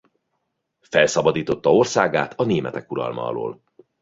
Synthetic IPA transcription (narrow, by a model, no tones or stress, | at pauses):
fɛlsɒbɒd̪iːt̪o̞t̪ːɒo̞rsaːɡaːt̪ʰɒneːmɛt̪ɛkuɾɒ̰lmɒ̰ɒ̰lo̰ːl